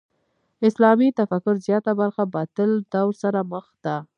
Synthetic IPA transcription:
ɪslɑmit̪afakʊɾzjɑt̪abaɾxabat̪əld̪awɾsaɾaməxd̪̥a

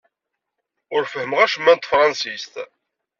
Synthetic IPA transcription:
ʊɾfəhəməʁæʃəmːænt̪ːfɾˤɑnsist̪

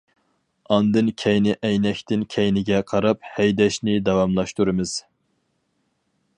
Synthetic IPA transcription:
ɑnd̪ɨnkʲʰɛjnɪʔɛjnɛkʲt̪ɪnkʲʰɛjnɪɡʲɛqʰɑɾɑp̚hɛjd̪ɛʃnɪd̪ɑwɑmlˠɑʃt̪uɾɨmɨz̥

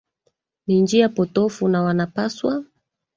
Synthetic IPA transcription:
nind͡ʒiapɔtɔfunawanapaswa

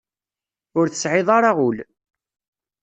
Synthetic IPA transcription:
ʊɾθə̥sʕɪðˤɑɾˤaʁul

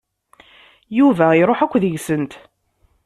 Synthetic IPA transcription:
juvæiɾˤoħækʷːðəʝsənt̪

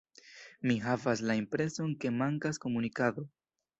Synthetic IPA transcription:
miɦavas̬laimpɾe̞so̞nke̞maŋkasko̞munikado̞

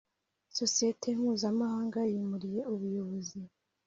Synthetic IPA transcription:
so̞sije̞tʰenhuːzamahaːŋɡajimuɾije̞uβujoβo̞zi

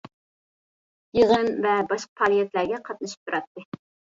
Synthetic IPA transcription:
jəʁənvɛbɑʃqɑ̥pʰɑlˠijɛt̪læɾɡʲɛqʰɑt̪̚nɨʃi̥p̚t̪ʰuɾɑt̪ːɨ

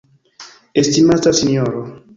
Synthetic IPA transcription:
estimatasinoɾo

